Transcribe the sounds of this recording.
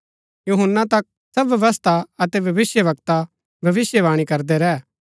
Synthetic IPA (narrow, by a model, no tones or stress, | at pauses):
juːɦənːat̪ɐk̚ | sɐbjɐʋəst̪ʰaɐt̪ɛʋʱɐʋɪsjəʋɐkt̪a | bʱɐʋɪsjəʋaːɽ̃ikɐɾd̪ɛɾɛː